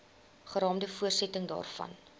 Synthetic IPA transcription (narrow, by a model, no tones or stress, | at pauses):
χəɾɑːmdəfuərsɛtəŋdɑ̰ːrfɐ̰n